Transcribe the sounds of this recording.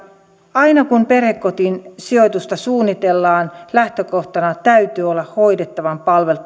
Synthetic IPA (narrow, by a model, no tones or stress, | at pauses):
ɑinɑkumperhekkot̪insiojt̪ust̪ɑsuːnːit̪e̞lːɑːnlæht̪økoht̪ɑnɑt̪æyt̪yːolːɑho̞idet̪ːɑʋɑmpɑlʋe̞l